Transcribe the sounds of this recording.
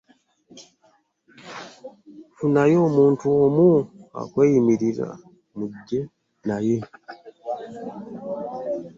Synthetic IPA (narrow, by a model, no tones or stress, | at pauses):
funajo̞ːmuːntuomua̰kweːjimiɾiza̰ | muɟːe̞ | naje̞